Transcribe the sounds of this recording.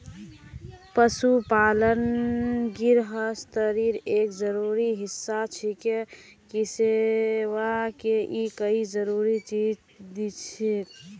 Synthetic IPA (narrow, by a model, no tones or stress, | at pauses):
pəsupalənɡiɾɦəst̪əɾiɾekd͡ʒəɾuɾiɦisːat͡ʃʰikekiseʋakeʔikəid͡ʒəɾuɾit͡ʃid͡ʒ | d̪it͡ʃʰit̪